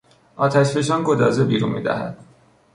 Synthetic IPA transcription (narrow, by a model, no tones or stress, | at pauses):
ʔɒːt̪ʰæʃbe̞ʃ̬ɒːnɡod̪ɒːzebiːɾṵnmḭːd̪æ̰hæ̰d̪̥